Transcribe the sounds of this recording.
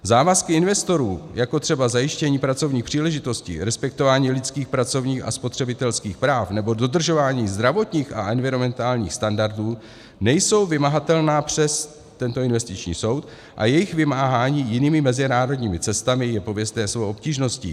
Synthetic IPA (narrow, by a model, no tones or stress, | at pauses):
zaːvaskɪɪnvɛst̪o̞ɾuːjako̞t̪r̝̥ɛbazajɪʃcɛɲiːpɾat͡so̞vɲiːxpr̝̥iːlɛʒɪt̪o̞scɪ̰ɾɛspɛk̚t̪o̞vaːɲiːlɪt͡skiːxpɾatt͡so̞vɲiːxa̰spo̞t̪r̝̥ɛbɪt̪ɛlskiːxpɾaːfnɛbo̞do̞d̪r̩ʒo̞vaːɲiːzd̪ɾavo̞t̪ɲiːxa̰ʔɛnvɪɾo̞mɛnt̪aːlɲḭːxst̪andaɾduː | nɛjso̞wvɪmaɦat̪ɛlnaːpr̝̥ɛs | t̪ɛnt̪o̞ɪnvɛst̪ɪt͡ʃɲḭːso̞wt̪ | ʔa̰jɛjɪxvɪmaːɦaːɲiːjɪniːmɪmɛzɪnaːɾo̞dɲiːmɪt͡sɛst̪amɪjɛpovjɛst̪ɛːsvowʔop̚ciːʒno̞scɪ̰